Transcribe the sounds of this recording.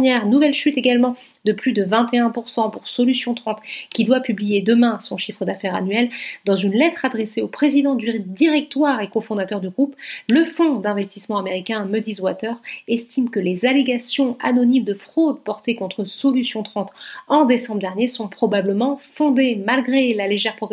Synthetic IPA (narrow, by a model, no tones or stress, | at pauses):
nɛʁnuvɛlʃyt̪eɡalmɑ̃ | d̪əplyd̪əvɛ̃t̪eɛ̃puʁsɑ̃puʁsɔlysjɔ̃t̪χɑ̃t̪kʲid̪wapyblijed̪əmɛ̃sɔ̃ʃifχəd̪afɛʁa̰nɥɛld̪ɑ̃zynlɛt̪χad̪ʁeseopχezid̪ɑ̃d̪yʁid̪iʁɛk̚t̪waʁekofɔ̃d̪at̪œʁd̪yɡʁupləfɔ̃d̪ɛ̃vɛst̪ismɑ̃ameʁikʲɛ̃məd̪izwat̪œʁɛst̪imkəlezaleɡasjɔ̃a̰nɔnimd̪əfχod̪pɔʁt̪ekɔ̃t̪χəsɔlysjɔ̃t̪χɑ̃t̪ɑ̃d̪esɑ̃bʁəd̪ɛʁnjesɔ̃pχɔbabləmɑ̃fɔ̃d̪emalɡʁelaleʒɛʁpχɔɡ